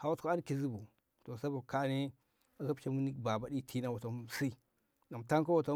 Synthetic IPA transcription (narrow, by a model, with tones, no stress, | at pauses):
ha˨wa˦tka˦a˦n˦ki˨zi˦bu˨ | to˨sa˦bu˨ka˦ni˦ | a˨ka˦pt͡ʃa˦mu˦ni˦kba˨ba˨˦di˦tʰi˦na˦wa˨to˨m˨si˦ | na˨m˨ta˦ŋka˦wa˨to˦